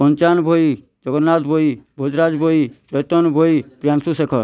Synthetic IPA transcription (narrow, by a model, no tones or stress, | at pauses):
pɔnt͡ʃaːnbʱoi | d͡ʒɔɡɔnːaːt̪bʱoibʱod͡ʒɾaːd͡ʒbʱoit͡ʃɔjt̪ɔnbʱoipɾjaːnsusekʰɔɾ